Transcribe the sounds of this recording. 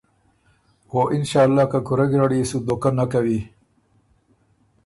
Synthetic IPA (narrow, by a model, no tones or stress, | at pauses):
xoʔɪnʃɑːlːɑːkakuɾaɡɾaɽisud̪okanːakawi